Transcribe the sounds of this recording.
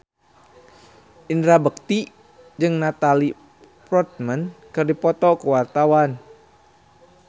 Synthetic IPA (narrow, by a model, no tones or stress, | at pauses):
ʔindɾabək̚t̪i | d͡ʒɨŋnat̪ali | pɾɔt̪̚mənkɨrdipɔt̪ɔkəwart̪awan